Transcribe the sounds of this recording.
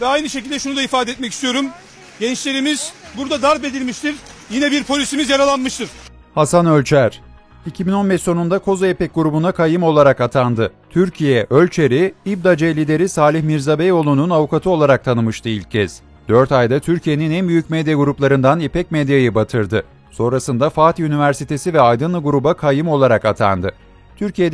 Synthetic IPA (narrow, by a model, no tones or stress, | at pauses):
vɛajnɯʃecilʲd̪ɛʃunud̪aifaːd̪ɛet̪mɛcist̪ʰijo̞ɾum | ɟɛnt͡ʃlʲe̞ɾimiz̥buɾd̪ad̪aɾbe̞d̪ilʲmiʃt̪iɾjinɛbiɾpʰo̞lʲisimizjaɾalˠanmɯʃt̪ɯɾ̥ | hasanølʲt͡ʃʰæɾ̥ | icʰibino̞nbɛʃso̞nund̪akʰo̞zajepɛc̚ɡuɾubunakʰajɯmo̞lˠaɾakat̪ʰand̪ɯt̪ʰyɾcʰijɛʔølʲt͡ʃʰe̞ɾiibd̪ad͡ʒejlʲid̪e̞ɾisaːlʲiçmiɾzabɛjo̞lˠununavukʰat̪ʰɯo̞lˠaɾak̚t̪ʰanɯmɯʃt̪ʰɯilʲc̚cʰːɛz̥ | d̪̥øɾt̪ajd̪at̪ʰyɾcʰije̞ninɛnbyjycmed̪jaɡuɾuplˠaɾɯnd̪anepʰɛcmed̪jajɯbat̪ʰɯɾd̪ɯ | so̞nɾasɯnd̪afaːt̪ʰiynivæɾsit̪ʰe̞sivɛajd̪ɯnlˠɯɡuɾubakʰajɯmo̞lˠaɾakat̪ʰa̰nd̪ɯ | t̪ʰyɾcijed̪